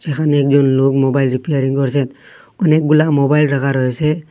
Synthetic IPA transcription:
sɛkʰanɛk̚d͡ʒɔnlok̚mɔbajlɾipijaɾiŋkɔɾsɛt̪̚ | ɔnɛk̚ɡulaʔmɔbajlaɡaɾɔɛsɛ

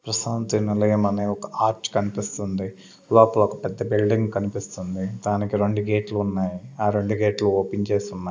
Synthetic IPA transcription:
pɾɐsaːnt̪inilɐjɐmɐneːɔkɐʔaːɾʈkɐnipist̪und̪i | lɔːpulɔkɐpɛd̪ːɐbilɖiŋɡkɐnipist̪und̪id̪aːnikiɾeɳɖuɡeːʈluːnːaːjiaːɾeɳɖuɡeːʈluoːpiɲt͡ʃe̞ːsunːaː

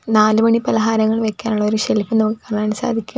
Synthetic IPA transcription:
naːlɨmɐɳipɐlɐɦaːɾɐŋːɐɭʋekʲːaːnuɭːɐo̞ɾuɕelpɨnɐmukːɨkːaːraːɳɨsa̰ːd̪ʱikʲːu

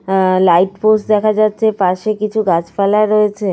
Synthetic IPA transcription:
lajʈposʈd̪ɛkʰad͡ʑatːɕʰepaʃekit͡ɕʰuɡat͡ɕfalaeɾoet͡ɕʰe

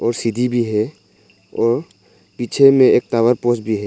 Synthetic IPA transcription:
ɔːɾsid̪ʱibʱiɦɛ | ɔːɾ | bit͡ʃʰemẽeːk̚t̪aːwəɾpoːsbʱiɦɛ

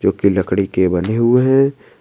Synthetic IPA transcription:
d͡ʒoːkiləkɽikebɐneɦʊeɦɛ̃

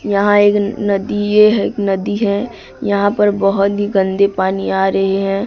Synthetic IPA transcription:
jɐɦãeːknɐd̪ijeɦɛːknɐd̪iɦɛ̃ | jɐɦãpɐɾbɐɦʊt̪ɦiɡɐ̃nd̪epaːniaːɾɐɦeɦɛ̃ː

